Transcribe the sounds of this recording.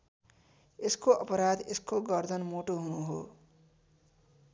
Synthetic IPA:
eskoʔʌpʌɾad̪eskoɡʌrd̪ʱʌnmoʈoɦunuɦo̰

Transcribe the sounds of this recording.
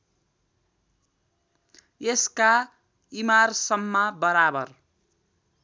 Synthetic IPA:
eska | imarsʌmːabʌɾabʌr

